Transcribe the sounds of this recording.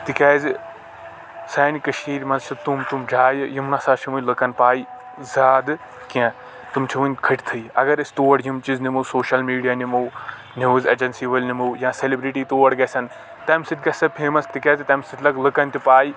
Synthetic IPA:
t̪ikeːz | saːnikɐʃiːɾmɐzt͡ʃʰɐt̪umt̪umd͡ʒʱaːjjimnaːsaːt͡ʃʰiʋunləkɐnpaːi | zaːd̪ɨ | kiã | t̪umt͡ʃʰiʋunʲkʰɐʈʰʲt̪ʰɨiɐ̰ɡɐɾist̪oːʋɐɽjimt͡ʃiznimosoːʃɐlmiːɖijaːnimoː | niʋuzʲɐ̰d͡ʒɐnsiːʋɐlʲnimuːjãːselibɾiʈiːt̪oːɐɽɡɐsɐn | t̪ɐmsit̪̚ʲɡɐsɐpʰeːmɐst̪ikɐːzt̪ɐmsɨt̪ʰlɐɡləkɐnt̪ipaːi

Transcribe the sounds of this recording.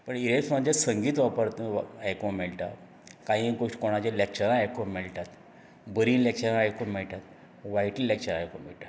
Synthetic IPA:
pəɳiɾeksmad͡ʑasəŋɡiːt̪ʋapəɾt̪ajkomeɭʈ̪a̰ | kãɦĩɡoʂʈkoɽ̃ad͡ʑelek̚t͡ɕəɾãːjkõmeɭʈ̪at̪ | bəɾĩːlek̚t͡ɕəɾãajkoɳmɛɭʈ̪at̪ | ʋajʈlilek̚t͡ɕəɾajkomeɭʈ̪a

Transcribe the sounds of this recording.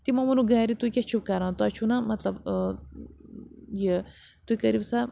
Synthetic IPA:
t̪imɐmunuɡaːɾit̪uikʲɐt͡ʃʰukɐɾãːt̪ɐt͡ʃʰunɐmɐt̪lɐb | je | t̪uikɐɾiwsa

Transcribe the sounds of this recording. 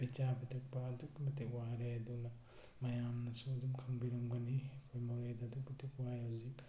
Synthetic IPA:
b̥it͡ʃabitʰɐk̚pɐːdukmɐtekwaɾeɐdunɐ | mɐjamnɐsuɐdumkʰɐŋbiɾɐmɡɐnikʰojmaɾejdadubɐtʰikwajhawzik

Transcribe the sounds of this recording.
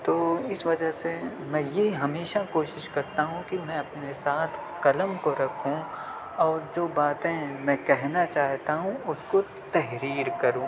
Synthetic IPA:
t̪oːɪsʋɐd͡ʒəɦse | mɛ̃jeɦɐmeːʃakoːʃɪʃkɐɾt̪aɦũkimɛ̃ɐpnesaːt̪ʰ | kɐləmkoɾɐkʰũ | ɔːɾd͡ʒoːbaːt̪ẽmɛ̃ːkɛɦnat͡ʃaːɦt̪aɦũʊsko | t̪ɛɦɾiːɾkɐɾũː

